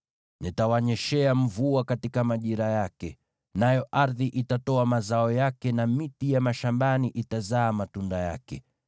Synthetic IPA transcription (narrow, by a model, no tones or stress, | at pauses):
nitawaɲɛʃɛam̩vuakatikamaʄiɾajakɛ | najɔʔaɾðiʔitatɔamazaɔjakɛnamitijamaʃambaniʔitazaːmatundaja̰kɛ